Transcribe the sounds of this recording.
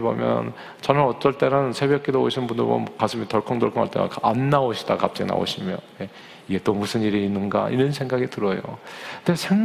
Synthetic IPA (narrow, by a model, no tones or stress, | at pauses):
bomjʌ̰n | t͡ɕʌnɯnʌt͈ʌɭt͈e̞ɾɯnsʰe̞bjʌk͈idoo̰ɕʰinbundo̰mʌ̰kasʰɯmitʌɭkʰʌŋdʌɭkʰʌŋaɭt͈ḛa̰kʰaanːaoɕʰid̥akap̚t͡ɕ͈aɡḭna̰o̰ɕʰimjʌ̰nje̞ | iɡe̞t͈omusʰɯniɾiːnːɯnɡa̰ʔḭɾɯnsʰe̞ŋɡaɡitɯɾʌjo̰ndesʰeŋ